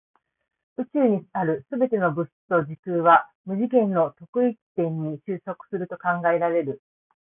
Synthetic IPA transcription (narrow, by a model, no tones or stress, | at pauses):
ɯ̟t͡ɕɨːɲ̟isaɾɯ̟sɨbe̞t̪e̞no̞bɯ̟st̪o̞ʑikɯːβa | mɯ̟ʑikẽ̞nːo̞t̪o̞kɯ̟iki̥t̪ẽ̞ɲ̟ːiɕɨːso̞kɯ̟̥sɨɾɯ̟t̪o̞kãŋɡae̞ɾaɾe̞ɾɯ̟